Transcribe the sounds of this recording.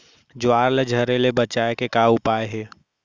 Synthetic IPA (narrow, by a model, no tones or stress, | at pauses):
d͡ʒʊaːɾled͡ʒʱəɾelebət͡ʃaːekekaʊpaːeɦɛː